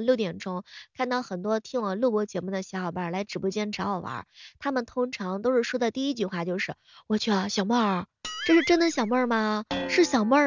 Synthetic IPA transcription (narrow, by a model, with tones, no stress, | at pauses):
ljʊt̪jɛ˨˩nʈ͡ʂʊ˥ŋkʰa˥˧nt̪ɑ˥˩ʊxə˨˩nt̪wɔ˥t̪ʰi˥ŋwɑ˨˩ŋlu˥˧pwɔ˥˩t͡ɕjɛ˧˥mu˥˩d̪ə˩ɕjɑ˧˥xɑ˨˩ʊpa˥˩la˧˥ɪʈ͡ʂɻ̩˨˩pu˥˩t͡ɕjɛ˥˩nʈ͡ʂʰɑ˧˥ɔ˨˩ʊʔɐ̰˧˥t̪ʰa˥mə˨nt̪ʰʊ˥ŋʈ͡ʂʰɑ˧˥ŋt̪o˥ʊʂɻ̩˥˩ʂwɔ˥d̪ə˧t̪i˥˧i˥t͡ɕy˥˧xwa˥˩t͡ɕjo˥˧ʊʂɻ̩˥˩ | wɔ˨˩t͡ɕʰy˥˩ə˧ɕjɑ˨˩ʊmə˥˩ | ʈ͡ʂɤ˥˧ʂɻ̩˥˧ʈ͡ʂə˥nd̪ə˨ɕjɑ˨˩ʊmə˥˧mɐ˧ʂɻ̩˥˩ɕjɑ˨˩ʊmə˥˩